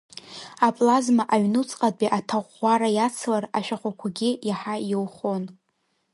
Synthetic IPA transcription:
apʼlazmaʔaɥnut͡sʼqʼabʼiʔatʰaʁʷaɾajat͡sʰlaraʃᶣaχʷakʷʰaɡʲɪjaħajowχo̞n

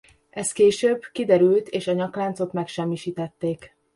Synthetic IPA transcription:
ʔɛst̪keːʃøːbkid̪ɛɾylt̪eːʃɒɲɒklaːnt̪so̞t̪mɛkʃɛmːiʃiːt̪ɛt̪ːeːk

